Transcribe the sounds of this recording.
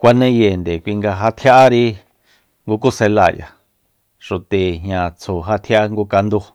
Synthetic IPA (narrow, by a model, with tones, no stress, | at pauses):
kʷa˧nẽ˦je˨nd̪e˨kʷi˧ŋɡa˧ɦa˧t̪ʰja˦ʔa˦ɾi˦ | ŋɡu˧ku˦se˧la˧˨ja̰˨ | ʃo˨t̪e˨ɦɲã˧˨t͡sʰo˨ɦa˧t̪ʰja˦a˦ŋɡu˧ka˧nd̪u˧